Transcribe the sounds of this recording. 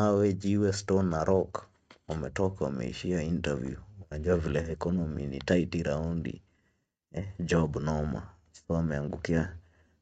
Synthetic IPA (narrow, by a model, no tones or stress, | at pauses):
awɛd͡ʒiwɛstɔnːaɾʔɔk | wamɛtɔkawa̰mɛ̰ḭʃiaintavjṵunaɲd͡ʒuavilɛɛkɔnɔmḭnḭtaitiɾaundḭ | d͡ʒɔbnɔma̰ | sɔamɛaŋɡukia